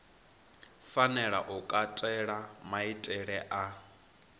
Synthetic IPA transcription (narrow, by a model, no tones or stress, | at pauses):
fanɛɺa̰ʔukʼatʼɛɺamaitʼɛɺɛʔa